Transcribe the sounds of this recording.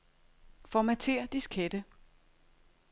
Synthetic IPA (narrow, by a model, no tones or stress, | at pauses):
fɒmæt͡sʰe̝ːɐ̰d̥iskʰed̥ə